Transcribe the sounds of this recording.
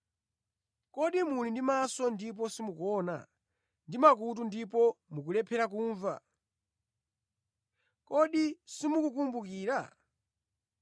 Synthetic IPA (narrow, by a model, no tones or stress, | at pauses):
kɔɗimulindimasɔndip̬ɔsimukɔna̰ | ndimak̬ut̬undip̬ɔmuk̬ulɛpʰɛɾak̬uːɱva̰ | kɔɗisimukukumbukiːɾa̰